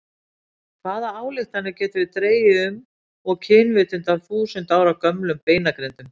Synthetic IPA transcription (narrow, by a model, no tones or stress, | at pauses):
kʰvaːðaaːwlɪxt̪θanːɪɾcɛːt̪ʏvɪðt̪ɾeːjɪʏm | ɔɣcʰɪːnvɪːt̪ʏnt̪awθuːsʏnt̪aːwɾakœmlʏmpeːjnakɾejnt̪ʏm